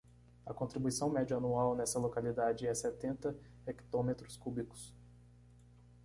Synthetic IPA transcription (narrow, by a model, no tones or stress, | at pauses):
ɐkõnt̪ɾibujsɐ̃w̃mɛd͡ʒiɐnuawnɛsɐlokalid̪ad͡ʒɪɛsɛt̪ẽnt̪ɐ | ɛkt̪õmet̪ɾʊskublikʊ̥s